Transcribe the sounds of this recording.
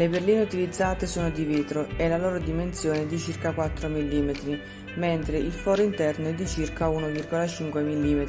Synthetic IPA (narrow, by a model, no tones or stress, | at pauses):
leberliːneut̪ilid̪zːaːt̪esoːnod̪iveːt̪ɾoɛlaloːɾod̪imensjoːned̪it͡ʃirkakwat̪ːɾomilːiːmet̪ɾi | mɛnt̪ɾeʔilfɔːɾoint̪ɛrnoɛd̪ːit͡ʃirkaunovirɡolat͡ʃiŋkwemilːiːmet̪ɾi